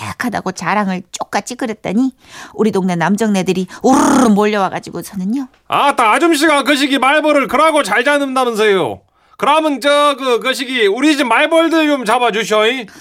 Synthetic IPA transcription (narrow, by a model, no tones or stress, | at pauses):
kʰada̰ɡot͡ɕaɾaŋɯɭt͡ɕ͈ok̚k͈at͡ɕ͈ʰikɯɾet̚t͈aɲi | uɾidoŋne̞namd͡ʑʌŋne̞dɯɾiurmoʎːʌwaɡad͡ʑiɡosʰʌnɯɲo | a̰taːd͡ʑumɕ̬ʰiɡak̬ɯɕ̬ʰiɡimaɭbʌɾɯɭkɯɾaɡot͡ɕaɭd͡ʑanɯndamjʌns̬ʰʌjo̰ | kɯɾamɯnt͡ɕʌɡɯk̬ɯɕ̬ʰiɡiuɾiɕʰimaɭbʌɭdɯd͡ʑomt͡ɕabad͡ʑuɕʰʌi